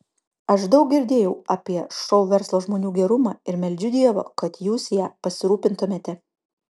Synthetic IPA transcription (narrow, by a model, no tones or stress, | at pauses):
ɐʃd̪ɐʊk̚ɡʲɪɾʲd̪ʲeːjɛʊɑːpʲiɛʃɔʊʋʲɛɾslˠoːʒmoːnʲuːɡʲɛɾʊmɑːɪɾmʲɛlʲd͡ʒʲʊd̪ʲiɛʋo̰ːkɐt̪juːsʲjæːpɐsʲɪɾuːpʲɪnt̪ʊmʲeːt̪ʲɛ